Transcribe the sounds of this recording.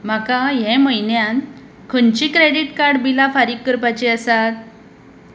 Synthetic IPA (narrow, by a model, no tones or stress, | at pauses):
m̤akaɦɛ̃məjnjan | kʰənt͡ɕikɾeɽiʈkaɾɖbilafaɾikːəɾpat͡ɕeəsat